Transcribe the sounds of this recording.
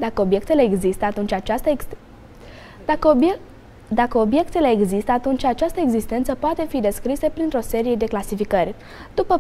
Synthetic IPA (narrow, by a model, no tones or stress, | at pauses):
d̪akəobje̞k̚t̪e̞le̞ːɡzist̪əat̪unt͡ʃʲat͡ʃast̪ə | d̪akəo̞bje̞kt̪e̞le̞ːɡzist̪əat̪unt͡ʃʲat͡ʃast̪əeɡzist̪e̞nt̪səpoat̪e̞fid̪e̞skɾisepɾint̪ɾo̞se̞ɾije̞d̪e̞klasifikərʲ | d̪̥upə